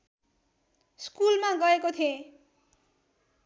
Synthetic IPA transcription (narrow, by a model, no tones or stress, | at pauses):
skulmaɡʌekot̪ʰiẽ